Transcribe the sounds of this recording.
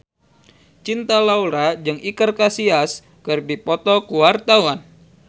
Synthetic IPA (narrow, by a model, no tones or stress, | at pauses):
t͡ʃint̪alauɾad͡ʒɨŋikərkasias | kɨrbipɔt̪ɔkuwart̪awan